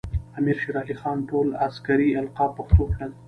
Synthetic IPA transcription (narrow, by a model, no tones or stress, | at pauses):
amiɾʃeɾɑlixɑnʈolaskaɾialqɑpaxt̪okna